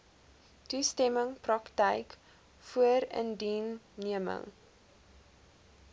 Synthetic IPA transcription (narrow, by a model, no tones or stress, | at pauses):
tustɛməŋprɐktɛjk | fuəɾə̰ndinːiəmə̰ŋ